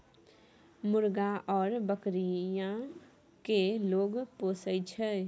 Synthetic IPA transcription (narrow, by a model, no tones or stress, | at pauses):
mʊɾɡaʔɔːɾbəkɾijã | keloːɡpoːsəjt͡ʃʰɛ